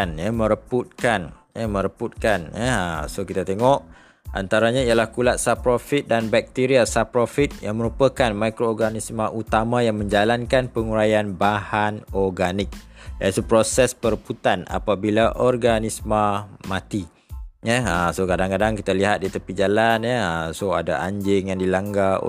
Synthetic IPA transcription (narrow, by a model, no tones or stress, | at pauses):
njamə̃ɾəput̪̚kan | jɛmə̃ɾəput̪̚kanjɛəsokit̪at̪eŋɔʔ | ʔa̰nt̪aɾaɲãijalahkulat̪̚sapɾofit̪̚danbɛk̚t̪iɾiasapɾofit̪̚jaŋmə̃ɾupəkanmakɾoːrɡanismaʔut̪amãjaŋmə̃ɲd͡ʒalankanpəŋuɾajanbahanɔrɡanɪk̚jait̪upɾosɛspərput̪ana̰pabilaʔɔrɡanismamat̪i | jɛəsokadaŋkadaŋkit̪aliɦat̪̚dit̪əpid͡ʒalanjɛəsoa̰da̰a̰ɲd͡ʒɪŋjaŋdilaŋɡa̰